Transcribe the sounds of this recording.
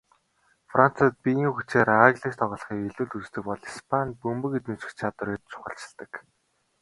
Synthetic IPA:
frʔan̥t͡sat̪̚pʲijiŋxut͡ɕeːɾaɣɮiːkt̪ʰɔʁɞ̆ɮ̆χiːkɮuːɮut͡st̪ɘ̆k̚pɔɮispʰan̚pɵmpɘ̆ket̪nuːt͡ɕɘ̥̆xt͡ɕʰat̪wə̆ɾeːt̪̚t͡ɕʊ̥χə̆ɬt͡ɕɪ̆ɮt̪ə̆k

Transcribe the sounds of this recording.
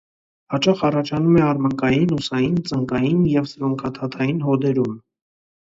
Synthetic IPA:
hɑt͡ʃɑχɑrɑt͡ʃʰɑnumɛɑɾməŋkɑjinusɑjint͡səŋkɑjinjɛvsɾɔŋkʰɑt̪ʰɑt̪ʰɑjinɦɔd̪ɛɾum

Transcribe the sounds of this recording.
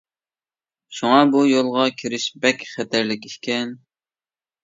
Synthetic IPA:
ʃuŋɑbujolˠʁɑkʲʰiɾɪʃbɛkʲχɛt̪ʰæɾlɪkʲihkʲɛn

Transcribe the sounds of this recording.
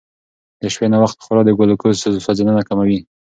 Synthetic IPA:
d̪əʃpenawaxt̪xaɾɑd̪əɡalokəst̪azosazenanakamawi

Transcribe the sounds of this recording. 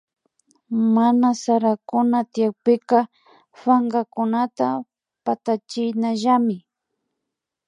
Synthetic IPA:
manasaɾakʊnat̪ɪjak̚pɪkɑ | faŋɡakʊnat̪a | pat̪at͡ʃɪjnaʒamɪ

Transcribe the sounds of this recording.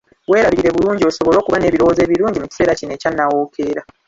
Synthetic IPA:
we̞ːɾaβiɾe̞βuluːɲɟio̞so̞βo̞lo̞ːkuβane̞ːβiɾo̞wo̞ze̞ːβiɾuːɲɟimuci̥se̞ːɾacine̞ːcanːawoːkʰe̞ːɾa

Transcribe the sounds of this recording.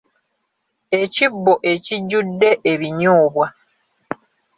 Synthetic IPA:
e̞cibːoʔe̞ciɟːudːe̞ʔeβiɲoːβwa

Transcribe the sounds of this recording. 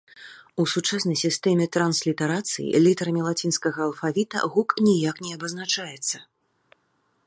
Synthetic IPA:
usut͡ʂasnɐjsʲist̪ɛmʲɛt̪ɾanslʲit̪ɛɾat̪sɨ̰jḭlʲit̪ɐɾɐmʲɛlˠat͡sʲinskɐɣɐːlˠfavʲit̪ɐ̰ɣuknʲijaknʲɛɐbɐznat͡ʂajɛt̪sːɐ

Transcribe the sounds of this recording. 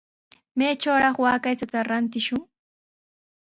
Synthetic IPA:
meːt͡ʃawɾɑχwaːkajt͡sat̪aɾant̪ɪʃʊŋ

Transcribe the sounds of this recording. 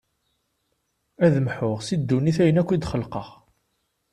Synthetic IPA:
æðmħʊʁsid̪ːuniθæjənækʷːid̪χəlqəʁ

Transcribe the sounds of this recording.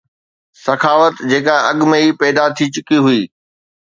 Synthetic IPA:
sɐkʰaːʋət̪d͡ʑeːkaɐɠmẽipɛːd̪at̪ʰit͡ɕʊkiɦʊiː

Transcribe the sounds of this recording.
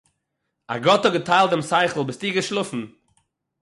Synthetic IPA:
a̰ɡɔtɔɡətʰaɪlˠtdɪmsaɪχl̩ˠbɪstiːɡəʃlˠʊfn̩

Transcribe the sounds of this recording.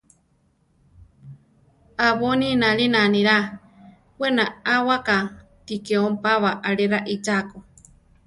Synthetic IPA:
aβoninaɺinaniɾa | wenaawaka | t̪ikeompaβaʔaɺeɾaʔit͡ʃako

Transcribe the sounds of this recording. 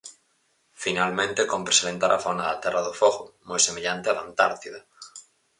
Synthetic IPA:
finalmẽnt̪ekõmpɾeselent̪aɾʔa̰fonaðat̪ɛraðofoɣomojsemeʎant̪eaðant̪aɾt̪iða

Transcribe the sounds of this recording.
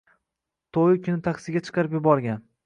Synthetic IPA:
t̪ʰojɪkʲʰʊnɪt̪ʰakʲsɪɡʲat͡ʃʰɨ̥qʰɑɾɪpjʊbɒɾɡʲan

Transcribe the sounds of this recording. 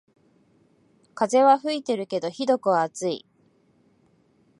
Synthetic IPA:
kaze̞βaɸɯ̟it̪e̞ɾɯ̟ke̞d̪o̞çid̪o̞kɯ̟βaːt͡sɨḭ

